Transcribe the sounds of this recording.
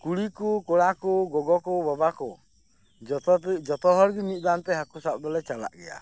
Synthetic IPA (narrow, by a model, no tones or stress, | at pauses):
kuɽikukɔɽakɔɡɔɡɔkɔbɔbakɔ | d͡ʒɔt̪ɔd͡ʒɔt̪ɔɦɔɾɡimit̪̚ˀd̪ant̪ɛɦakusap̚d̪ɔlɛt͡ʃala̰ʔɡɛ̰ja̰